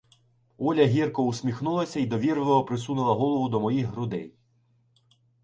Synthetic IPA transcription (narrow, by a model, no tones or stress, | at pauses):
ɔlʲɐɦʲirkɔusʲmʲixnulˠɐsʲɐid̪ɔʋʲirʋɔɔpɾɪsunɪlˠɐɦɔlˠɔʋʊd̪ɔmɔjixɦɾʊd̪ɛ̰j